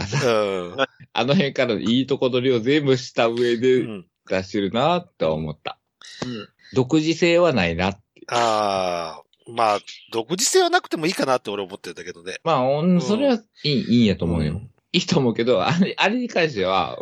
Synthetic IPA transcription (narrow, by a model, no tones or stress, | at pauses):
kasã | a̰noɦẽ̞ŋkaɾano̰iːt̪o̞ko̞d̪o̞ɾʲio̞zẽ̞mbɯ̟ɕi̥t̪aɯ̟e̞d̪e̞ | d̪̥aɕeɾɯ̟nat̪ːe̞a̰o̰mo̞t̪ːa̰ | d̪o̞kɯ̟ʑise̞ːβanainat̪ːea | maːd̪o̞kɯ̟ʑise̞ːβanakɯ̟̥t̪e̞mo̞iːkanat̪ːeo̞ɾeomot̪ːend̪aked̪onemaːonso̞ɾe̞βaiːiːjat̪o̞ːmo̞ɯ̟jo̰ | iːt̪o̞ːmo̞ɯ̟ke̞d̪o̞a̰ʔaɾe̞ɲ̟ikãɰ̃ɕ̬t̪e̞βa̰